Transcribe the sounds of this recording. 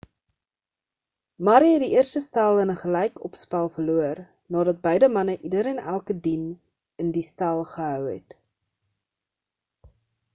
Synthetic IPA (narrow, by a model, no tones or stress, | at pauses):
mɐɾiɦɛt̚diʔiərstəstɐlˠənəχəlɛjkɔpspælˠfəluər | nɑːdɐt̚bəjdəmɐnəʔidəɾɛnælˠkədin | əndistɛlˠχəɦœwɦɛ̰t